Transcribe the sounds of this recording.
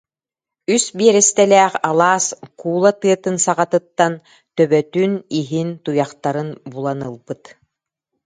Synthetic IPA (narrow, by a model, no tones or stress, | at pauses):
ysbiɛɾɛst̪ɛlɛːχalˠaːskuːlˠat̪ɯɐt̪ɯnsaʁat̪ɯt̪ːan | t̪œbœt̪yːniɦint̪ujaχt̪aɾɯnbulˠanɯlˠbɯt̪